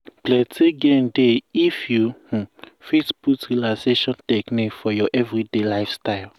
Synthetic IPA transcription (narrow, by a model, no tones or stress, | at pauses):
plɛtʰeɡẽndeifjuh̩fetbutɾilaseʃɔ̃ntɛknikfɔjɔʔɛvɾidelajfstaɪl